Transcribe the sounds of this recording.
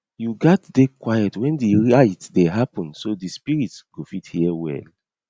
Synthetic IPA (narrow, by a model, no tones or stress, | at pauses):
juɡatdekwajɛtwɛ̃ndiɹaɪtdɛɦapɔ̃nsodispiɹitsɡ̥ofithiɛwɛ̰l